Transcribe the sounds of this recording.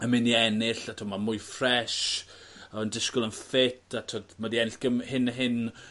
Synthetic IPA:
əmɪniɛnɪɬatʰɔmamʊjfrɛʃ | ɔəndɪskʊlˠənfɪtʰatʰɔdmadiɛnɪɬɡ̥əmhɪnəɦɪn

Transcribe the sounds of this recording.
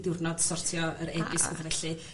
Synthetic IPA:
dɪwrnɔd̥sɔrtʰjɔəɾɛbɨsə̰mkʰavɛɬɨ

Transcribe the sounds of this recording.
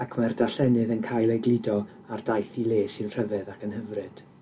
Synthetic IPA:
akʰmardaɬɛnɨðənkʰajlˠejɡlˠɪdɔ | ardajθilˠeːsɨnr̥əvɛðakənhəvrɨd̥

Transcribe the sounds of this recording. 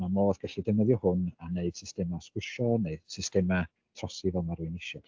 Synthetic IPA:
mamoːðɡ̥aɬidəmɔðjɔhʊnaneɨd̥sɪstɛmaskwɪʃɔnɨsɪstɛma | tʰrɔsivɛlˠmaɾuɨnɪʃɔ̥

